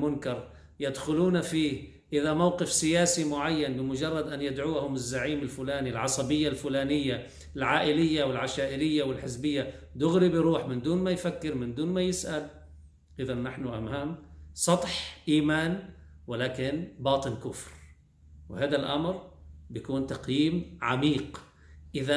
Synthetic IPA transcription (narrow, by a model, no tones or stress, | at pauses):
mʊnkɑɾˤ | jad̪xʊluːnafiː | ʔɪðamawqɪfsɪjaːsimʊʕajːanbɪmʊd͡ʒɑrˤːɑd̪ʔanjɪd̪ʕuːhʊmɪzːaʕiːmɪlfʊlaːnilʕɑsˤɑbɪjːalfʊlaːnɪjːa | ɪlʕaːʔɪlɪjːawɪlʕaʃaːʔɪɾɪjːawɪlħɪsbɪjːad̪ʊɣɾibɾuːħmɪnd̪uːnmajfakːɪɾmɪnd̪uːnmajɪsʔal | ʔɪðanːaħnʊʔamhaːmsˤɑt̪ˤħʔiːmaːn | wɪlaːkɪnbɑːt̪ˤɨnkʊfɾ | wɪhaːd̪alʔa̰mɾbɪjakuːnt̪ɑqjiːmʕa̰miːq | ʔɪða